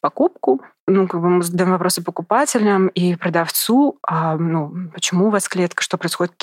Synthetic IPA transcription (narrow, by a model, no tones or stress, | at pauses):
pɐkup̚kʊ | nukaɡ̚bɨmɨzəəd̪ɐjo̞mvɐpɾo̞sɨpəkʊpatʲɪlʲnəmipɾəd̪ɐft̪suanupət͡ɕɪmuvasklʲet̪kə̥ʂt̪o̞pɾəɪsxo̞dʲɪt̪kʲ